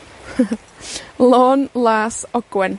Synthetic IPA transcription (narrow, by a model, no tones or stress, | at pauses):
loːnlaːsɔɡ̥wɛn